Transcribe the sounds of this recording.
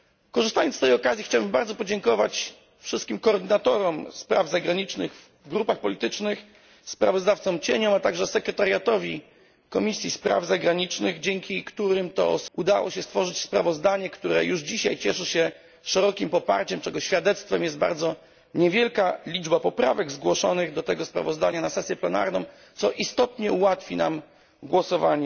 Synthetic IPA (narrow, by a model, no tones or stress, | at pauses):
kɔʐɨst̪ajɔnt̪ɛjɔkazʲjixt͡ɕawbɘmbaɾd̪ɔpɔd͡ʑɛŋkɔva̰t͡ɕ | fʂɨst̪̚kʲimkɔːɾd̪ɘnat̪ɔɾɔmspɾa̰vzaɡɾaɲit͡ʂnɘ̰ɣv | ɡɾupaxpɔlʲit̪ɘt͡ʂnɘx | spɾa̰vɔzd̪aft̪sɔmt͡ɕeɲɔmat̪aɡʐɛsɛkɾɛt̪aɾjat̪ɔvʲi | kɔmʲisʲjispɾa̰vzaɡɾaɲit͡ʂnɘɣd͡ʑɛŋkʲikt̪uɾɘmt̪ɔ̰ʔud̪awɔ̰ɕɛst̪fɔʐɘt͡ɕspɾa̰vɔzd̪aɲɛkt̪uɾɛ̰juʐd͡ʑiɕajt͡ɕɛʂɘɕɛ | ʂɛɾɔkʲimpɔpa̰ɾt͡ɕɛmt͡ʂɛɡɔɕfʲjad̪ɛt̪st̪fɛmjɛszd̪̚ba̰ɾd̪zɔ | ɲɛvʲjɛlkalʲid͡ʐbapɔpɾa̰vɛɡzɡwɔʂɔnɘɣd̪ɔt̪ɛɡɔspɾa̰vɔzd̪aɲanasɛsʲjɛplɛna̰ɾnɔ̃w̃ | t̪sɔʔist̪ɔt̪ɲɛuwat̪fʲina̰m | ɡwɔsɔvaɲɛ